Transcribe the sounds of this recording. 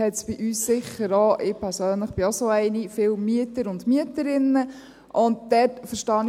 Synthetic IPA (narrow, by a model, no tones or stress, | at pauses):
ɛt͡sb̥iʔyːssɪχəɾɑːʔɪpʰɛɾsøːnləχb̥ɪɔsoæɪnifɪːlmyətəɾʊndmiətəɾɪnːə | ʔʊnd̚d̥ɛːtfəɾʃtɑːn